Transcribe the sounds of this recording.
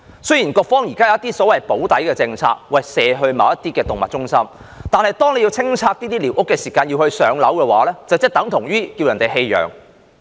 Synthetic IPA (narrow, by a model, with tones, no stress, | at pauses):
sɵ˥jiː˨˩nkɔː˧k̚fɔː˥ŋjiː˨˩kaː˥jɐ˨wjɐ˥t̪iː˥sɔː˨˥wɐ˨˩jpo˨˥wt̪ɐ˨˥jkɛː˧t͡sɪ˧ŋt͡sʰa̰ː˧k̚wɐ˨˩jsɛː˧ɦɵ˧ɥmaː˨˧wjɐ˥t̪iː˥kɛː˧t̪ʊ˨ŋmɐ˨˩t̚t͡sʊ˥ŋsɐ˥m | t̪aː˨nhɐ˨jt̪ɔː˥ŋne˨˧ji˧wt͡sʰɪ˥ŋt͡sʰaː˧k̚t̪iː˥t̪iː˥liː˨wʔʊ˥kːɛː˧siː˨˩kaː˧njiː˧whɵ˧ɥsœː˨˥ŋlɐ˨˥wkɛː˧wa̰ː˨˥lɛː˥t͡sɐ˨wt͡sɛ˥t̪ɐ˨˥ŋt̪ʰʊ˨˩ŋɥyː˥kiː˧wjɐ˨˩nt̪e˨jɦe˧jjœ̰ː˨˩ŋ